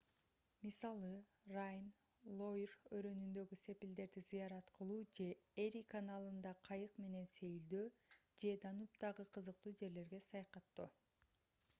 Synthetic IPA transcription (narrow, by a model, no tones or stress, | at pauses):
misɑlˠɯ | rajn | lˠo̞jrøɾø̞nynd̪ø̞ɡyse̞pild̪e̞ɾd̪izɯjɑɾɑt̪qɯlˠuːd͡ʒe̞eɾʲikanalˠɯnd̪ɑqʰɑjɯqme̞ne̞nse̞jild̪øːd͡ʒe̞d̪ɑnup̚d̪ɑʁɯqʰɯzɯq̚t̪uːd͡ʒe̞ɾle̞ɾɡe̞sɑjɑqɑt̪ːu